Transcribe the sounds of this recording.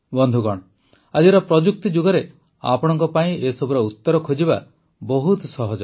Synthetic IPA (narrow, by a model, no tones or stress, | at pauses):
bɔnd̪ʱuɡɔɽ̃ɔ | ad͡ʒieɾɔpɾɔd͡ʒuk̚t̪id͡ʒuɡɔɾe | a̰pɔɽ̃ɔŋkɔpaĩesɔbuɾɔut̪ːɔɾɔkʰod͡ʒiba | bɔɦut̪sɔɦɔd͡ʒɔ